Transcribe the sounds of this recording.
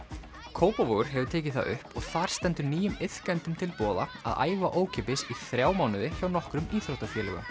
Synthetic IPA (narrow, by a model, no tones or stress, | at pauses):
kʰoːwpavoɣʏɾ̥ɦɛvʏt̪ʰeːcɪθa̰ðʏhpɔɣθaɾ̥st̪ɛnt̪ʏɾniːjʏmɪθkajnt̪ʏmt̪ʰɪlpɔːða̰a̰ða̰ːjvaʔoːwcʰɛːpɪsiθɾjaːwmaːwnɪðɪçaːwnɔhkɾʏmiːθɾowht̪afjɛːlɛ̰ɣʏ̰m